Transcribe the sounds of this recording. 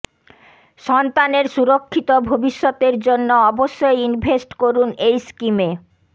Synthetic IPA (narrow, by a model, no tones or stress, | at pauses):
ʃɔnt̪aneɾʃuɾokʰːit̪obʱobiʃːɔt̪eɾd͡ʑonːoɔboʃːojinbʱesʈkoɾunejskime